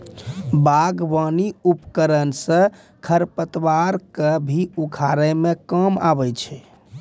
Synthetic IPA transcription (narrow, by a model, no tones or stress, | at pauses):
baɡbaniupkəɾənsə̃ | kʰəɾpət̪ʋaɾkebʱiukʰaɾɛmekəma̰bɛt͡ʃʰɛ